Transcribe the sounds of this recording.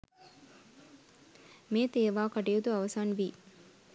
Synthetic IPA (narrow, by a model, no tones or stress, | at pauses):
meːt̪eːʋaːkaʈijut̪uɐʋɐsaːnʋiː